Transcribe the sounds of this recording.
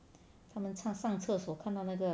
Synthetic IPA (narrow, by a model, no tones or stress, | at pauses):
t̪ʰamənt͡sʰɑŋʂɑŋt͡sʰɤswɔkʰant̪ɑʊnaɡə